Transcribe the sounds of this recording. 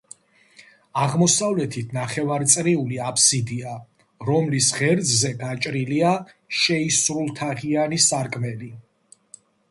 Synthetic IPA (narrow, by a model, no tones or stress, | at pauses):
aʁmɔsavlɛt̪ʰit̪ʰnaχɛvaɾt̪sʼɾiuliapʰsid̪ia | ɾɔmlisʁɛɾd̪zzɛɡat͡ʃʼɾilia | ʃɛisɾulˠt̪ʰaʁianisaɾkʼmɛli